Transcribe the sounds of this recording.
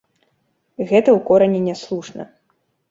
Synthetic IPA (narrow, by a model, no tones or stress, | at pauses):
ɣɛt̪ɐwkɔɾɐnʲinʲɛslˠuʂnɐ̰